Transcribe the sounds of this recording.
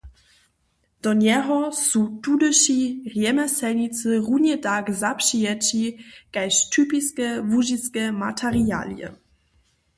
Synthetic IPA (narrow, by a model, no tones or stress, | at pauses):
d̥̪ɔɲɛɦɔsutudəʃirjɛmɛsɛlɲit͡sɨʁunɛtakzapʂijat͡ɕikajʃtʰypiskɛvuʒiskɛma̰tʰɛɾia̰ːljɛ̰